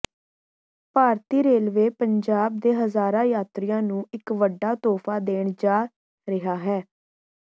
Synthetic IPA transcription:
paːɾt̪iːɾeːlʋeːpəɲd͡ʒaːbd̪eːɦəzaːɾãːjaːt̪ɾɪjãːnũːɪkʋəɖːaːt̪ɔːpʰaːd̪eːɳd͡ʒaː | ɾɪɦaːɦɛː

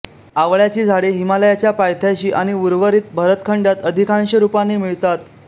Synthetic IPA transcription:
aʋɭjat͡ɕiːd͡zʱaɽeɦimaləjat͡ɕjapajt̪ʰjaɕiːʔaɽ̃iuɾʋəɾiːt̪̚bʱəɾət̪kʰəɳɖjat̪əd̪ʱikãnɕəɾupanːimiɭt̪at̪

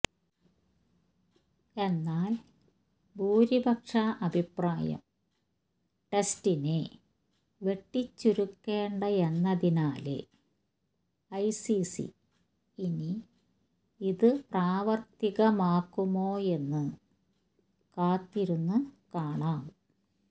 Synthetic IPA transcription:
e̞nːaːl | bʱuːɾibʱɐkʂɐʔɐbʱipraːjɐ̰m | ʈestine | ʋe̞ʈːit͡ɕːuɾukːe̞ːɳɖɐenːɐðinaːlḛ | ɐjsisḭ | ini | iðɨpraːʋɐrt̪iɣɐmaːkːumo̞ːe̞nːɨ | kaːt̪ːiɾunːɨkaːɳaːm

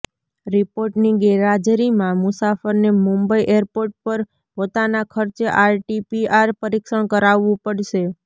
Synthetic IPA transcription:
ɾipoɾʈniɡɛɾad͡ʒɾimãmʊsafəɾnemũmbəiʔeɾpoɾʈ̚pəɾ | pot̪anakʰəɾt͡ʃeʔaɾʈipiaɾpəɾikʃəɳkəɾaʋːũpəɽʃe

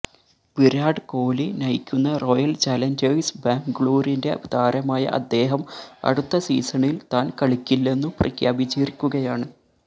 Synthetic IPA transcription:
b̥iɾaːɖɨko̞ːlinɐjkʲːunːɐro̞jɐlt͡ɕaːlɐnd͡ʑɐjsbaːŋɡɭuːɾinde̞ɐʋd̪aːɾɐmaːjɐ̰ʔɐ̰d̪ːe̞ːɦɐmɐ̰ɽut̪ːɐsḭːsɐɳilt̪aːnkɐɭikʲːilːe̞nːuprɐ̰kʰjaːbit͡ɕiːrikʲːuɣɐjaːɳɨ

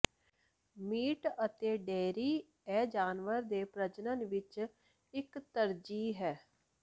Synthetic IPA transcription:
miːʈət̪eːɖeːɾiː | ɛːd͡ʒaːnʋəɾd̪eːpɾət͡ʃnənʋɪt͡ʃ | ɪkt̪əɾd͡ʒiːɦɛː

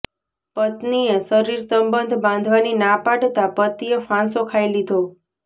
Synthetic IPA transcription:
pət̪niesəɾiɾsə̃mbənd̪ʱbãnd̪ʱʋaninapaɖt̪apət̪iefãsokʰajlid̪ʱo

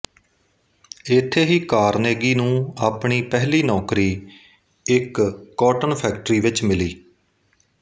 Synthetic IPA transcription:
ɪt̪ʰːeːɦiːkaːɾneːɡiːnũːaːpɳiːpɛɦliːnɔːkɾiː | ɪkːɔːʈənpʰɛːk̚ʈəɾiːʋɪt͡ʃmɪliː

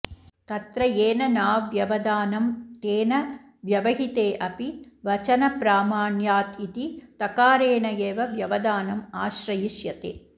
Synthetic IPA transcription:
t̪ɐt̪ɾɐjeːnɐnaːʋjɐʋɐd̪aːnɐmt̪eːnɐ | ʋjɐʋɐɦit̪eːʔɐpiʋɐt͡ʃɐnɐpɾaːmaːɳjaːt̪it̪it̪ɐkaːɾeːɳɐjeːʋɐʋjɐʋɐd̪aːnɐmaːʃɾɐjiʃjɐt̪ḛː

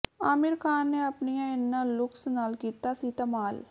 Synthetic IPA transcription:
aːmɪɾkʰaːnːeːəpnijãːɪnːãːlʊksnaːlkiːt̪aːsiːt̪amaːl

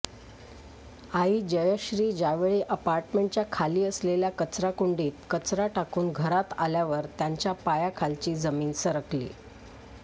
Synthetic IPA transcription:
aɦiːd͡ʑəjəɕɾiːd͡ʑaʋeɭiːʔəpaɾʈmeɳʈ̚t͡ɕjakʰaliːəsleljakət͡sɾakuɳɖiːt̪kət͡sɾaʈakuːnɡʱəɾat̪a̰ljaʋəɾt̪jaɲt͡ɕjapajakʰalt͡ɕiːd͡zəmiːnsəɾəklḭː

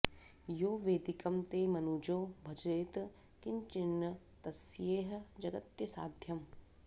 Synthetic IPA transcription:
joːʋeːd̪ikɐmt̪eːmɐnuːd͡ʒoːbʱɐd͡ʒɾeːt̪ | kɪnt͡ʃɪnːə | t̪ɐsjeːɦ̆d͡ʒɐɡɐt̪jɐsa̰ːd̪ʱjɐm

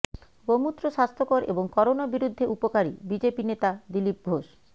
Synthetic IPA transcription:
ɡomut̪ːɾoʃast̪ʰokoɾʔḛboŋkɔɾonabiɾud̪ʱːeʔupokaɾḭbid͡ʑepinet̪ad̪ilip̚ɡʱoʃ

